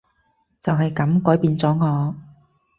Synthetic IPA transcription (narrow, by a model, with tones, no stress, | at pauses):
t͡sɐ˨wɦɐ˨jkɐ˨˥mkɔː˨˥jpiː˨˧nt͡sɔː˨˥ŋɔː˨˧